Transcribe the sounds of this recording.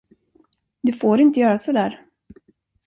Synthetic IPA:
d̪ɵfoːɾɪnt̪əjœːɾasɔd̪æːɾ

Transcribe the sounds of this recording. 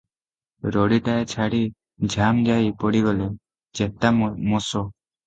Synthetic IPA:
ɾɔɽiʈaet͡ʃʰaɽi | d͡ʒʱamd͡ʒajpɔɽiɡɔle | d͡ʒet̪amɔsɔ

